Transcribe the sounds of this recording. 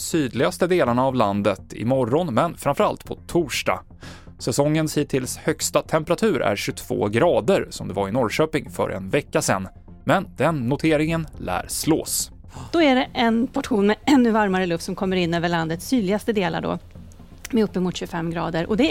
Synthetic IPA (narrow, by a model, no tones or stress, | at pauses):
syːd̪lɪɡast̪əd̪eːlaɳaːvland̪ət̪ʰɪ̰mɔɾːɔnmɛnfɾamfœɾa̰lt̪pʰɔt̪ʰuːʂɖa̰ | sɛsɔŋːənshiːt̪ʰɪlshœkst̪at̪ʰɛmpəɾat̪ʰʉ̟ːɾʔæ̰ɾɕɵt̪ʰv̥o̰ːɡɾɑːd̪əɾsɔmd̪ɛvaɾɪnɔɾɕøːpɪŋfœ̰ɾʔɛ̰nvɛkːasɛnː | mɛnd̪̥ɛnːʊt̪ʰeːɾɪŋənlæ̰ːɾslo̰ːs | d̪̥ɔæɖɛʔɛnpʰɔʈɧuːnmɛɛnːʉvaɾmaɾəlɵft̪sɔmkʰɔmːəɾɪnːøːvəɭand̪ət̪sːyːd̪lɪɡast̪əd̪eːla̰ɖɔ̰ | mɛɵpːəmʊt̪ɕɵfɛmːɡɾɑːd̪əɾʔɔd̪ɛ